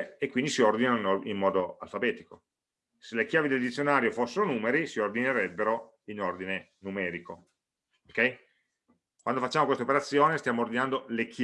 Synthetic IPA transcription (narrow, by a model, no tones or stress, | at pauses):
ekːwind̪isiord̪inanoinoimːɔːd̪oa̰lfabɛːt̪iko | selekjaːvid̪eld̪it̪sjonaːɾjofosːeɾonuːmeɾisiord̪ineɾɛbːeɾo | inord̪ine | numɛːɾiko | okɛj | kwand̪ofat͡ʃːaːmokwest̪aopeɾat̪sːjoːnest̪jaːmoːrd̪inand̪olek